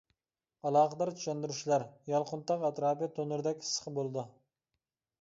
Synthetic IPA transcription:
ɑlˠɑːqəd̪ɑɾt͡ʃ̪ʰy̥ʃɛnd̪yɾuʃlæɾjɑlˠqʊnt̪ɑqɛt̪ɾɑːpijt̪ʰonɨɾd̪ɛkʲʰi̥sə̥χəbolˠɨd̪ɨ

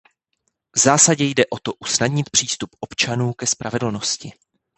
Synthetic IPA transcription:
vzaːsaɟɛjdɛʔo̞t̪o̞ʔusnadɲɪt̪pr̥iːst̪upʔo̞pt͡ʃanuːkɛspɾavɛdl̩no̞scɪ

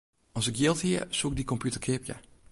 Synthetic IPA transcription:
ɔsɪkjɪlˠthiəsuək̚dikɔmpʰjutərkʰɪpjə̰

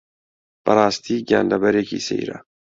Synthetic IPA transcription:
b̥ɐɾˤɑːst̪ʰiːɡa̰ːnd̪ɐbɐɾeːkʰḭːsḛjɾɐ̰

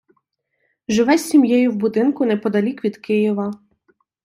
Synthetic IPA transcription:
ʒɪʋɛsʲimjɛjʊwbʊd̪ɪnkʊnɛpɔd̪ɐlʲikʋʲid̪kɪjiʋɐ

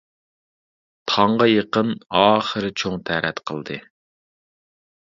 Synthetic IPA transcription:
t̪ʰɑɴʁɑjəqənɑːχəɾɨt͡ʃʰoŋt̪ʰæɾɛt̪qʰəlˠd̪ɨ

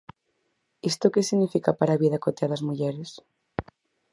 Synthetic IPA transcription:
ist̪okesiɣnifikapaɾaβiðakot̪eaðazmuʎeɾes

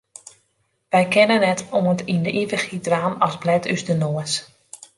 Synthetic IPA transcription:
ʋɛjkʰɛnənːɛtoəntindəʔivəxidraːnɔsblɛtʰyzdənoəs

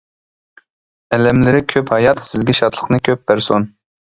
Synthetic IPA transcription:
ɛlɛmlɪɾɪkʲʰøphɑjɑt̪sɪzɡʲɛʃɑt̪ʰlˠəχnɨkʲʰøp̚bæɾson

